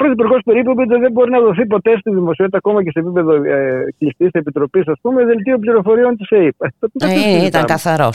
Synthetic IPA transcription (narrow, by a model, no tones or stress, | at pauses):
pɾoθipuɾɣospe̞ɾipopit̪ðebo̞ɾinɐðo̞θip̬o̞t̪e̞st̪iðimo̞siot̪it̪ɐko̞mɐcesepipe̞ðo̞clist̪issepit̪ɾo̞pisɐspumeðelt̪iop̬liɾo̞fo̞ɾio̞nt̪iseipɐt̪ot̪iɐeit̪ɐkɐθɐɾo